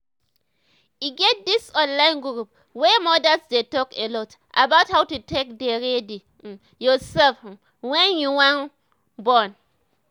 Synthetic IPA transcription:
jiɡɛt̚disɔ̃nlãɪ̃nɡɾup̚ | wɛmɔdasdetɔkelɔt | ʔabathawtutek̚deɹɛdi | jɔsɛlf | wɛ̃njuwãn | bɔn

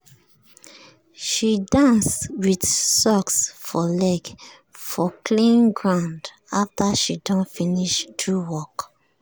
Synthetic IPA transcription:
ʃidãnswidsɔksfɔlɛɡ | fɔklĩnɡɹãʊ̃nd | aftaʃidɔ̃nfĩniʃdɹuwɔk

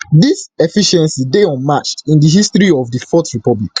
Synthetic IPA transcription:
disɛfiʃɛ̃nsideɔ̃nmat͡ʃtĩndəɦistɹiɔvdəfɔtɹipɔblḭk

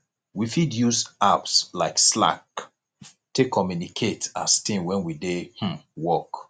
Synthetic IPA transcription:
wifidjuzapslaɪksla̰k | tekʰɔmjunikʰetastĩnwɛ̃nwidehm̩wɔk

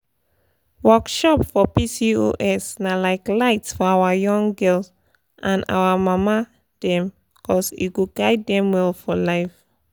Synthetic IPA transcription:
wɔkʃɔpfɔpisio̰ʔɛsnalaɪklaɪtsfɔawajɔ̃ŋɡɛls | ʔãna̰wamama | d̥ɛ̃m | ikʰɔsḭɡuɡaɪd̚ːɛ̃mwɛlfɔlaɪf

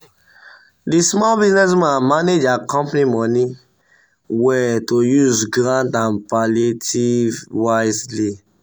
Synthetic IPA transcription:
dismɔlbiznɛs̬mãnmaned͡ʒakɔ̃mpnimɔni | wɛtojuzɡɾãntãnpaletʰivwaɪzli

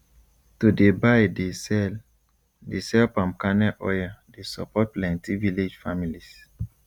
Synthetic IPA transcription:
tudebajdesɛl | desɛlpãm̚kanɛʔɔjadesɔ̰pɔt̚plɛ̃ntiviled͡ʒfamilis

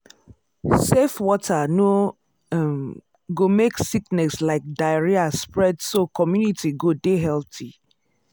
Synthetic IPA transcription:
sefwɔtʰano | ɡomeksiknɛslaɪk̚daɪɹiaspɹɛdsokʰɔmjunitʰiɡodeɦɛltʰi

